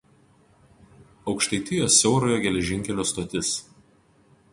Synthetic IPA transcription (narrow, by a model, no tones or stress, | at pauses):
ɒʊkʃt̪ɐɪt̪ʲɪjoːsʲːɛʊɾoːjoːɡʲɛlʲɛʒʲɪŋʲkʲɛlʲoːst̪oːt̪ʲɪs